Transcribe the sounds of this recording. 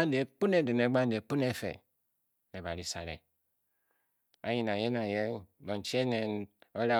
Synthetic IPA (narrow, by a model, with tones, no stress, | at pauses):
n̩˦de˨˦pu˦ne˦de˨ne˨˦ɡ͡ba˦n̩˦de˨˦k͡pu˦ne˦fḛ˨ | ne˨ba˨ɾi˨sa̰˨ɾḛ˨ | ba˨˦ji˨na˨je˦na˨je˦bo˨n̩˨˦t͡ʃi˦e˦ne˨no˦ɾa˦